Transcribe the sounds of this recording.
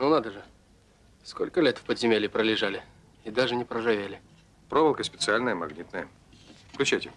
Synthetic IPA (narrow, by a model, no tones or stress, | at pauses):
nonad̪əʐɨ | sko̰lʲkəlʲet̪fpəd̪zʲɪmʲelʲɪpɾəlʲɪʐalʲɪ | ɪd̪aʐɨnʲɪpɾəʐavʲelʲɪ | pɾovəlˠkəsʲpʲɪt̪sɨalʲnəjəmɐ̰ɡnʲit̪nəjə | fklʲʉt͡ɕajtʲɪ